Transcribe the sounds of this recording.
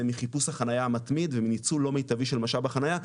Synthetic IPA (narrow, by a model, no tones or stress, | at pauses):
miχipushaχanajaːmat̪mid̪veminit͡sulo̞mejt̪aviʃelmaʃalbaχanaja